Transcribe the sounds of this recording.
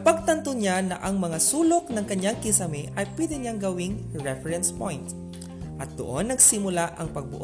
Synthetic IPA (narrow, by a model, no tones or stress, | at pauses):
pɐɡ̚t̪ɐnt̪oɲanɐ̰ʔɐŋmɐŋasuːlok̚nɐŋkɐɲjaŋkɪsɐmɪʔɐjpwɛd̪ɪɲaŋɡɐwɪŋɹɛfɛɹɛnspojnt̪ | ʔɐt̪̚d̪o̰ʔonːɐɡsɪmʊlaʔɐŋpɐɡ̚bʊ̰ʔ